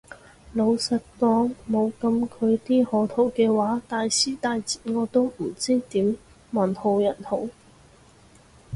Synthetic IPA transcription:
lo˨˧wsɐ˨t̚kɔː˧ŋmo˨˧wkɐ˧mkʰɵ˨˧ɥt̪iː˥hɔː˨˥t̪ʰo˨˧˥wkɛː˧waː˨˥t̪aː˨jsiː˥t̪aː˨˧jt͡siː˨ŋɔː˨˧t̪o˥wm̩˨˩t͡siː˥t̪iː˨˥m | mɐ˨˩nho˧wjɐ˨˩nho˨˥w

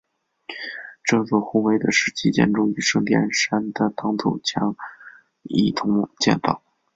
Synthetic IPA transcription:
ʈ͡ʂɤ˥˧t͡swɔ˥˩xu˥we˧˥ɪd̪ə˧ʂɻ̩˥˩t͡ɕi˥t͡ɕjɛ̰˥˧nʈ͡ʂʊ˥ŋy˨˧˩ʂɤ˥˧ŋt̪jɛ̰˥˩nʂa˥nd̪ə˨t̪ɑ˥ŋt̪ʰo˨˩ʊt͡ɕʰjɑ˧˥ŋ | ḭ˥˩t̪ʰʊ˧˥ŋ˥˧t͡ɕjɛ̰˥˩nfɑ˥˩ʊ

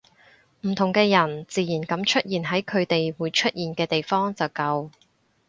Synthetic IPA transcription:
m̩˨˩t̪ʰʊ˨˩ŋkɛː˧jɐ˨˩nt͡siː˨˧jiː˨˩nkɐ˨˥mt͡ʃʰɵ˥t̚jiː˨nɦɐ˨˥jkʰɵ˨˧ɥt̪e˨jwuː˨˥jt͡ʃʰɵ˥t̚jiː˨nkɛː˧t̪e˨jfɔː˥ŋt͡sɐ˨wkɐ˧w

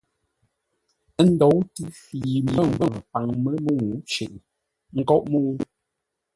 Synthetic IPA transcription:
n̩˦dɔ˨˦wti˦fi˨m˨ə˦˨ŋ̩˨bə˦˨pa˨ŋmə˦mə˦ŋu˨˦t͡ʃḛ˨ʔ | ŋ̩˦kɔ˦ʔmo˦

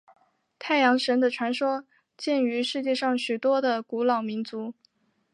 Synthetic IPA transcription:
t̪ʰa˥˩ɪjɑ˧˥ŋʂə˧˥nd̪ə˨ʈ͡ʂʰwa˧˥nʂwɔ˥ | t͡ɕjɛ˥˩ny˧˥ʂɻ̩˥˧t͡ɕjɛ˥˧ʂɑ˥˩ŋɕy˨˩t̪wɔ˥d̪ə˨ku˧˥lɑ˨˩ʊmi˧˥nt͡su˧˥

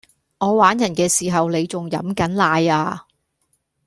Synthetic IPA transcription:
ŋɔː˨˧waː˨˥njɐ˨˩nkɛː˧siː˨˩ɦɐ˨wle˨˧jt͡sʊ˨ŋjɐ˨˥mkɐ˨˥nlaː˧jaː˧

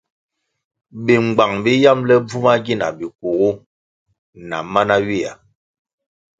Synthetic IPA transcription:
bi˨ŋ͡mɡ͡ba˨ŋbi˦ja˦mlɛ˦b͡vu˦ma˦ɡi˦na̰˨bi˨ku˨ɣu˦ | na̰˨ma˦na˦ɥi˦˨a̰˨

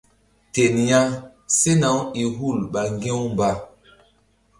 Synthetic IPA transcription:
te˨nja˦ŋ | se˦na˨˦wi˨ɦu˦˨lɓa˨ŋɡẽ˦wmba˨

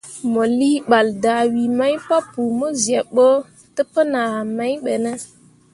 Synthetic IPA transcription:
mo˨li˦ɓa˨lda˨wi˨ma˦jpa˦pu˨mo˦zi˨e˨ɓo˦ | tə˦pə˦na˨a˨ma˦jɓe˨nə˦

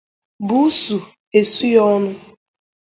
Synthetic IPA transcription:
bu˦su˨ | e˨su˦jɔ˦nʊ˦

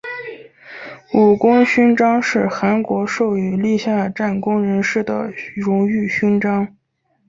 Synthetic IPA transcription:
u˨˩kʊ˥ŋɕy˥nʈ͡ʂɑ˥ŋʂɻ̩˥˩xa˧˥nkwɔ˧˥ʂo˥˩ʊy˧˥li˥˧ɕja˥˧ʈ͡ʂa˥˩nkʊ˥ŋɻə˧˥nʂɻ̩˥˩d̪ə̰˩ɻʊ˧˥ŋy˥˩ɕy˥nʈ͡ʂɑ˥ŋ

